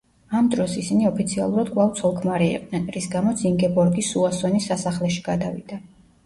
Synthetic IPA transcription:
amd̪ɾɔsisiniɔpʰit̪sʰialˠuɾad̪kʼvˠavt̪sʰɔlˠkʰmaɾiḭqʼnɛnɾisɡamɔt̪siŋɡɛbɔɾɡisuasɔnisasaχlɛʃi̥ɡ̥ad̪avḭd̪̥a

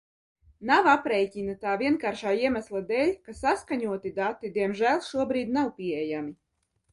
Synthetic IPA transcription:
nawapɾɛjcʲinat̪aːviɛnkaːɾʃaːiɛmæslˠad̪ɛːlʲkasaskaɲuɔt̪id̪at̪ːid̪iɛmʒæːlˠʃuɔbɾiːd̪nawpiɛjami

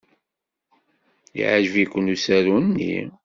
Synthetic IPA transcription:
ḭʕaʒəvikʷːənusæɾunːḭ

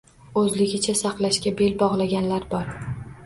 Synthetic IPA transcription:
ɵzlɪɡʲɪt͡ʃʰasɑqlˠaʃkʲabelbɒʁlˠaɡʲanlaɾbɒɾ

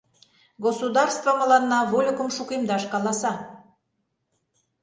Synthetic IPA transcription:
ɡosud̪ɑrst̪vɑmə̆lɑnːɑβolʲəkəmʃukemd̪ɑʃkɑlɑsɑ

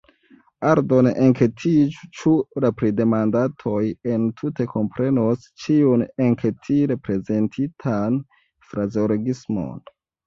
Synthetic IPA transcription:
aɾdoneŋketʰit͡ʃuɾapɾide̞mandatʰo̞jentʰute̞kʰo̞mpɾe̞nos | t͡ʃiuneŋkʰetʰiɾe̞pɾe̞ze̞ntʰitʰan | fɾazoloɡismo̰n

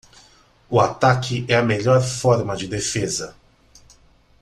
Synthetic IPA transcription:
ʊat̪akʰɪʔɛɐmeʎɔɾfɔɾmɐd͡ʒɪd̪efezɐ

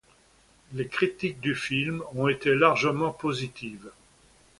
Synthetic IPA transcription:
lekχit̪ik̚d̪yfilmɔ̃et̪elaʁʒəmɑ̃pozit̪ʰiːv

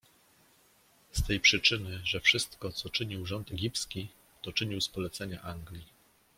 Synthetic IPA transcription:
st̪ɛjpʂɘt͡ʂɘnɘʐɛfʂɘst̪kɔt̪sɔt͡ʂɘɲiwʐɔnt̪ɛɡʲipskʲi | t̪ɔt͡ʂɘɲiwspɔlɛt̪sɛɲaʔaŋɡlʲi

